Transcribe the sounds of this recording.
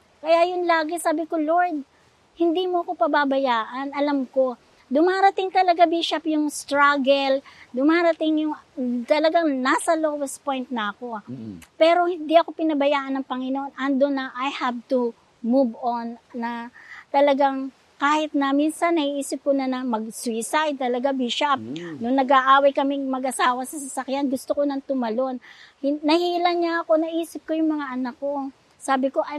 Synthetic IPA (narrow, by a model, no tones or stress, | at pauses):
kɐjajʊnlaːɡɪsaːbɪkoloɹd̪̚ | hɪnd̪iːmoɐko̞pɐbabɐjaːʔɐnɐlamko̞ | d̪ʊmaːɾɐt̪ɪŋt̪ɐlɐɡabiʃɐpjʊŋst̪ɾaɡɛld̪ʊmaːɾɐt̪ɪŋjʊŋt̪ɐlɐɡaŋnaːsɐloːwɛspo̞jnt̪̚nɐʔɐko̞pɛːɾo̞hɪnd̪iʔɐko̞pɪnɐbɐjaːʔɐnɐŋpɐŋɪnoʔo̞nʔɐnd̪onɐʔajhav̚t̪ʊ | mubonːɐt̪ɐlɐɡaŋ | kaːhɪt̪̚nɐminsɐnːɐhiʔiːsɪp̚kʊnɐnɐmɐɡ̚swisajd̪̚t̪ɐlɐɡabiʃap̚nʊŋnɐɡaʔaːwɐjkɐmɪŋmɐɡʔɐsaːwɐsɐsɐsɐkjanɡʊst̪okonɐnt̪ʊmɐlo̞nhɪnɐhiːlɐŋɲaɐko̞nɐʔiːsɪp̚kojʊŋmɐŋaʔɐnakːo̞ | saːbɪko̞ʔɐ